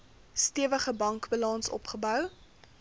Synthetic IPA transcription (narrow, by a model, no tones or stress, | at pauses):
stiəvəχəbɐŋkbəlɑnsɔ̰pχəbœw